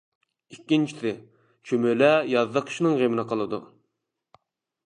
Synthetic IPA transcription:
ikʲːint͡ʃʰi̥sɪ | t͡ʃʰymølɛjɑðːəqʰə̥ʃnɨŋʁemɪnəqʰəlˠɨd̪ṵ

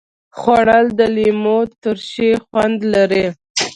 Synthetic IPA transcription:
xwɑɽəld̪əlimot̪əɾʃexwand̪laɾe

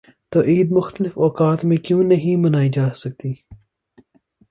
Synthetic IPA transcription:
t̪oːʔiːd̪mʊxt̪əlɪfɔːkaːt̪mẽkjũːnɐɦĩmɐnaːid͡ʒaːsɐk̚t̪iː

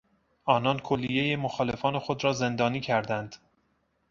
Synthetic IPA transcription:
ʔɒːnɒːnkʰolːijejemoxɒːle̞fɒːne̞xod̪ɾɒːze̞nd̪ɒːniːcʰæɾd̪ænd̪̥

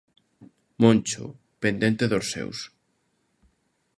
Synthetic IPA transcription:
mõnt͡ʃʊ̰ | pend̪ent̪eðosɛ̰ws

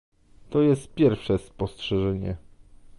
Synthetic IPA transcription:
t̪ɔjɛst̪̚pʲjɛɾfʂɛspɔstʂɛʐɛɲɛ

